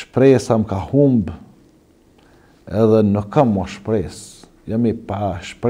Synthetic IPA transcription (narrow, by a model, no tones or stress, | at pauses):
ʃpɾesamkahumb | eðənokamoʃpɾes | jamipaʃpɾ